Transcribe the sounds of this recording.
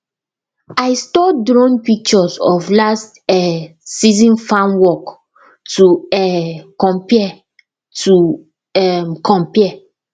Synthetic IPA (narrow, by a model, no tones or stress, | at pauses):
aɪstɔdɹɔ̃npik̚t͡ʃɔsɔflast | ɛsizĩnfãnwɔk | tuɛkɔ̃mpiɛ | tu | ɛmkʰɔ̃mpiɛ